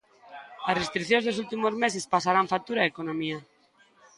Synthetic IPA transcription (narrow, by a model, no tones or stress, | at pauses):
ɐsrest̪ɾikθjõnzðosult̪imozmesespasaɾaɱfat̪uɾaekonõmia